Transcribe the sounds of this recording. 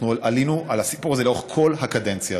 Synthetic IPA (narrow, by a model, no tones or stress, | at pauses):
nulalinuʔalhasi̥puʁazelaoχkʰo̞lhakad̪ent͡sja